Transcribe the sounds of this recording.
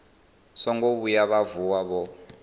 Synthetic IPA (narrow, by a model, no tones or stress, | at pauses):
sɔŋɡoβujaβavuwaβɔ